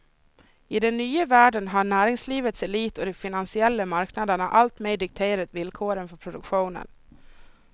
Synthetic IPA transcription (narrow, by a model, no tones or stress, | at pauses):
ɪd̪ɛnːyːəvæːɖənɦaɳæːɾɪŋsliːvət̪sɛliːt̪ɔd̪ɛfɪnansɪɛlːəmaɾknad̪əɳa̰ʔalt̪mɛd̪ɪk̚t̪ʰeːɾat̪vɪlkʰoːɾənfœɾpʰɾʊd̪ɵkɧuːnə̰n